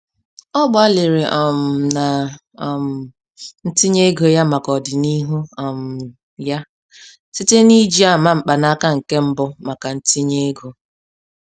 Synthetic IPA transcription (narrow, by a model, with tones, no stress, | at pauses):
ɔ˦ɡ͡ba˦lɪ˨ɾe˨ʔɔ˨m̩˨na˨ | m̩˨ | n̩˦ti˦ɲe˦ɡo˨ja˦ma˨kɔ˨dɪ˨ni˦ɦu˦ɔ˨m̩˨ | ja˦ | si˦te˦ni˦d͡ʒi˦a˨ma˦˨m̩˨k͡pa˨na˦ka˦ŋ̩˨ke˦m̩˦bɔ˦ma˨ka˨n̩˦ti˦ɲe˦ɡo˨